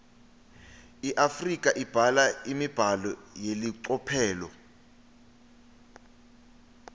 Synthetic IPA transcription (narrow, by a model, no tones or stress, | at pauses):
iʔafrik̬ʼaʔib̥ʱalaimib̥ʱalɔjeliǀɔpʰɛːlɔ̰